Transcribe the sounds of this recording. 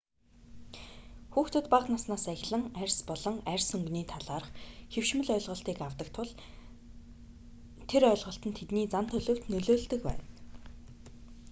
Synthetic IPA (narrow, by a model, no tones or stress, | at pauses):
xuːxt̪ʰɵ̆t̪paqnasnaːsæxʲɮə̆ŋærʲspɔɮɞ̆ŋærʲsɵŋɡniːt̪ʰaɮaːrə̆χxew̥ʃmɵ̆ɮœjɮʁɞ̆ɬt̪iːkawt̪ə̆k̚t̪ʰʊɮ | t̪ʰeɾœ̆ːɮʁɞ̆ɬt̪ə̆nt̪ʰet̪niːt͡samn̥t̪ʰɵɮɵ̆wt̪nɵɮoːɮt̪ɵ̆kpæ̰ːn